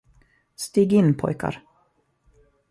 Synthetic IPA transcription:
st̪iːɡɪnːpʰɔ̰jka̰ɾ

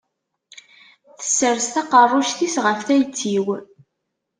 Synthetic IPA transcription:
θə̥sːəɾst̪ɑqərˤːʊʃθisʁəfθæjt͡sːiw

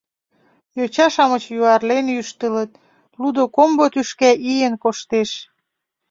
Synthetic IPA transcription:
jot͡ɕɑʃɑmət͡ɕjuɑrlenjyʃt̪ələ̆t̪̚ | lud̪okombot̪yʃkæʔijənkoʃt̪eʃ

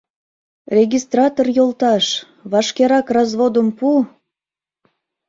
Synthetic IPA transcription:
rʲeɣʲist̪rɑt̪orjolˠt̪ɑʃ | βɑʃkeɾɑkrɑzβod̪əmpu

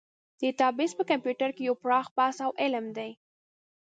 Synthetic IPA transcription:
d̪̥ət̪ɑbɪspəkampjuʈaɾkejawpɾɑxpɑsawʔɪlmd̪aj

